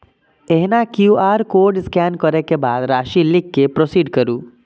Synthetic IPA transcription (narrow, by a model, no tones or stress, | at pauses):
eɦnakjuːaːɾkoːɾɖɪskɛːnkəɾekebaːd̪ɾaːʃilɪkːepɾosiːɖkəɾuː